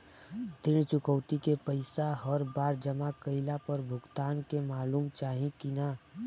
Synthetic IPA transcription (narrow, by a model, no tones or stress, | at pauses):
d̪ɪnt͡ʃʊkəʊt̪ikepəɪsaɦəɾbaːɾd͡ʒəmakəɪlapəɾbʱʊɡt̪aːnkemaːluːmt͡ʃaːɦĩkina